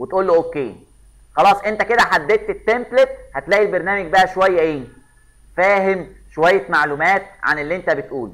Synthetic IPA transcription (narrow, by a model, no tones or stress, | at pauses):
wet̪ʔuːlːoʔokːeː | xɑlɑːsˤʔent̪æked̪æħad̪ːeːt̪et̪ːemplet̪̚hæt̪læːʔilbeɾnæːmeɡ̚bæʔæʃowæjːæʔeː | fæːɦemʃowæjːæmaʕlumæːt̪̚ʕa̰nelːiʔent̪æbet̪ʔuːl